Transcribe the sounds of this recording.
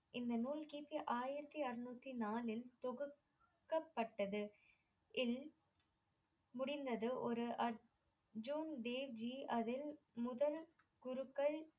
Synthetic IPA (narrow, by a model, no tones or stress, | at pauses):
ʔɪnd̪ɐnuːlkiːpːiʔaːjɪɾɐt̪ːiɐrɯnuːt̪ːinaːlɪlt̪ɔɣɯ | kːɐpːɐʈːɐðɯ | ɪl | mʊɽɪnd̪ɐðɯʔɔɾɯʔɐɾ | d͡ʒuːnɖ̪eːʋd͡ʒiʔɐðɪl | mʊðɐl | ɡ̥ʊɾɯkːɐɭ